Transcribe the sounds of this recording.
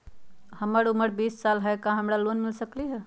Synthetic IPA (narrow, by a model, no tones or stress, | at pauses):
həməɾuməɾbiːssalɦəjkãɦəmɾalonmɪlsəkliɦɛ